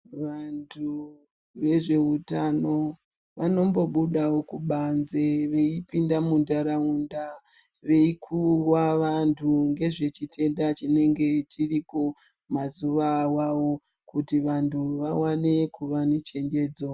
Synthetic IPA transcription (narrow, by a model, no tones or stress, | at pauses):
ʋantʰu | ʋe̞ʐe̞utano̞ | ʋano̞mbo̞ɓuɗawokuɓanzeʋe̞ipindamundaɾaunda | ʋe̞ikʰurwaʋantʰuŋɡe̞ʐe̞t͡ʃitʰe̞ndat͡ʃine̞ŋɡe̞tʰiriko | mazuʋawawo | kutiʋantʰuʋawane̞kuʋanet͡ʃe̞ŋɡe̞ːd͡zo